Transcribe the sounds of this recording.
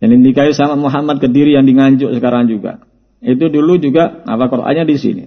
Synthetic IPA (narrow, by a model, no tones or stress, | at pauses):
jaŋdindikaisamamoɦamat̪̚kədiɾijaŋdiŋaɲd͡ʒʊʔsəkaɾaŋd͡ʒuɡa̰ | it̪̬udulud͡ʒuɡaa̰pakɔrʔa̰ɲadisḭnḭ